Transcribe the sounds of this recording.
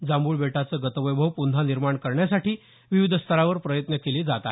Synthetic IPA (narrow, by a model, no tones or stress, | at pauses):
d͡zambuːɭbeʈat͡səːɡət̪əʋəjbʱəʋpunaniɾmaɳkəɾɳjasaʈʰiː | ʋiʋid̪ʱəst̪ʰəɾaʋəɾpɾəjət̪nəkeliːd͡zat̪a